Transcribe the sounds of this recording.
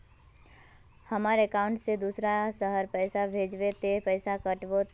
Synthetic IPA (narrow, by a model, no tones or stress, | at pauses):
hɐmaːɾekãʊ̃ɳʈsed̪uːsɾasəɦəɾpɛːsabʱeːd͡ʒʋet̪epɛːsakɐʈʋot̪